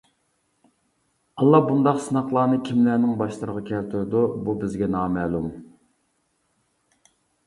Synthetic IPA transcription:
ɑlˠːɑbund̪ɑqsɨnɑχlˠɑːnɨkʲʰimlæɾnɪŋbɑʃlˠəɾəʁɑkʲʰɛlt̪ʰuɾd̪ububɪzɡʲɛnɑːmɛːlˠum

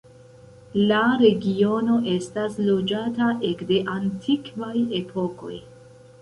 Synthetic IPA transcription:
laɾe̞ɡio̞no̞ʔe̞staslo̞d͡ʒataʔe̞kde̞ʔantʰikvaje̞pʰo̞ko̞̰j

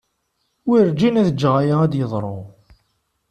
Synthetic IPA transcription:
wiɾd͡ʒinæðəd͡ʒːʁajaæd̪jəðˤɾˤo̰

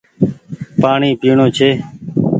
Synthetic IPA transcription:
paːɳiːpiːɳõːt͡ʃʰeː

